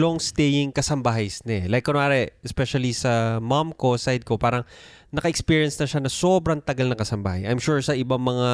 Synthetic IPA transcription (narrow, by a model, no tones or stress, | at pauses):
loŋst̪ɛjɪŋkɐsɐmbaɦɐjsnɛlajkːonoʔaːɾɛɛspɛʃɐlisɐmamko̞sajd̪̚ko̞paːɾɐŋ | nɐkɐʔɛkspiɹiɐnsnɐʃanɐso̞bɾɐŋt̪ɐɡɐlnɐŋkɐsɐmba̰ːhɐjʔɐjmʃuɹsɐʔɪbaŋmɐŋa